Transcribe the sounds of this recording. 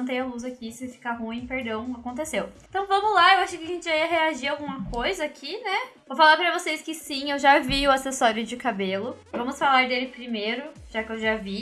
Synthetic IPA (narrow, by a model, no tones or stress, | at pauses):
t̪ẽj̃aluzakisɪfi̥kaɦũĩpeɾd̪ɐ̃w̃akõnt̪esewt̪ɐ̃w̃vɐ̃mʊzlaewaʃʊkɪaʒẽnt͡ʃɪʒaiɐɦeaʒiɾawɡũmɐkojzɐːkʰinɛvofalaɾpɾɐvosejskɪsĩewʒaviʊasesɔɾjʊd͡ʒɪkabelʊvɐ̃mʊsfalaɾd̪elɪpɾimeɾʊʒ̥akɪewʒavi